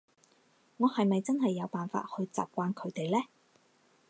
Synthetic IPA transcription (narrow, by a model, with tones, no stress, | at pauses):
ŋɔː˨˧hɐ˨jmɐ˨jt͡sɐ˥nɦɐ˨jːɐ˨˧wpaː˨nfa̰ː˧t̚hɵ˧ɥt͡sa̰ː˨p̚kʷaː˧nkʰɵ˨˧˥ɥt̪e˨jlɛː˥